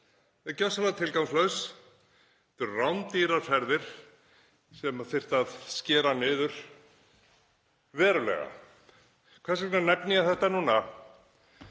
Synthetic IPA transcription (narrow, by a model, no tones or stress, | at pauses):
ɛcœsalat̪ʰɪlkawmslœɥs | ɛt̪ʏɾrawnt̪iːɾaɾ̥fɛɾðɪɾ̥ | sɛmaθɪr̥t̪aðscɛːɾanʏːðʏɾ̥ | vɛːɾʏlɛ̰ɣa̰ | kʰvɛɾsɪknanɛpniaθɛht̪anuːna